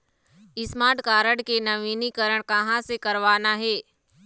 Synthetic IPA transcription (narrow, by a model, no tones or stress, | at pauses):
ɪsmaːʈkaːɾəɽkenɐʋiːnikəɾəɽ̃kɐ̃ɦãsekɐɾʋaːnaɦeː